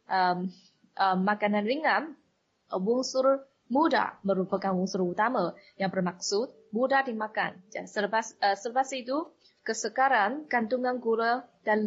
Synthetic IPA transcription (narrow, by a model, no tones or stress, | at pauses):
ʔəm | əmːakananriŋan | wʊŋsʊr | muda̰məɾupakanwuŋsurut̪aməjaŋbərmak̚sʊt̪̚mudadimaka̰nd͡ʒasəpasəsərpasit̪u | kəsəkaɾaŋkant̪uŋanɡuɾəd̥an